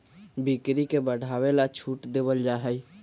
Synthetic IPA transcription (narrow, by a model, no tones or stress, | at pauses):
bikɾikebəɽʱawelat͡ʃʰuʈd̪ebəld͡ʒaɦɛj